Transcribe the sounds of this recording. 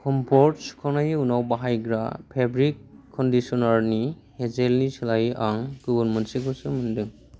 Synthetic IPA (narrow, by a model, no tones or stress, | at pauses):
kʰɔmpʰɔɾtsu̥kʰanajiunawbaɦajɡɾa̰pʰebɾikʰːɔndisɔnaɾnihezelnisilajʔaŋɡɔbɐɾnmensikʰɔsɯmɯndɯŋ